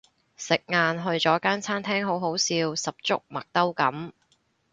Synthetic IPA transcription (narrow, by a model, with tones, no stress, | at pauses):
sɪ˨k̚ŋaː˨˧nɦɵ˧ɥt͡sɔː˨˥kaː˥nt͡sʰaː˥nt̪ʰɛː˥ŋɦo˨˥wɦo˨˥wsiː˧wsɐ˨p̚t͡sʊ̰˥k̚mɐ˨k̚t̪ɐ˥wkɐ˨˥m